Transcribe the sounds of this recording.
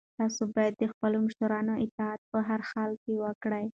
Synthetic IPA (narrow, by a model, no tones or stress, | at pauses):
t̪ɑsobɑjad̪ːəxpəlomʊʃaɾɑnoʔɪt̪ɑat̪̚pəɦaɾxɑlkewəkɽəj